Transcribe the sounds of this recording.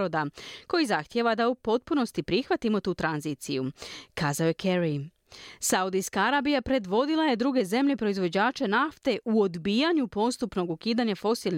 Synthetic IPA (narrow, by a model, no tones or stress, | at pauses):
od̪ako̞jizaxt̪je̞ʋad̪aupo̞t̪̚puno̞st̪ipɾixʋat̪imo̞t̪uːt̪ɾanziːt̪sijukaːzaojekʰeɾi | saud̪iskaaɾaːbijapɾe̞d̪ʋo̞d̪ilˠaje̞d̪ɾuɡe̞ze̞mʎʲe̞pɾo̞izʋo̞d͡ʑaːt͡ʃe̞naft̪e̞ʔuo̞d̪bijaɲupo̞st̪upno̞ɡukiːd̪aɲafo̞silˠn